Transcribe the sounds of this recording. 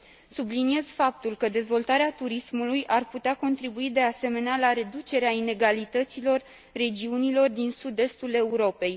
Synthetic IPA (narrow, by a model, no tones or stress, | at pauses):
sublinie̞z̥fap̚t̪ulkəd̪e̞zvo̞lt̪aɾeat̪uɾismulujʔarput̪eako̞nt̪ɾibuid̪e̞ase̞me̞nealaɾe̞d̪ut͡ʃe̞ɾeaine̞ɡalit̪ət̪silo̞rː | e̞d͡ʒiunilo̞rd̪insud̪e̞st̪ule̞uɾo̞pe̞j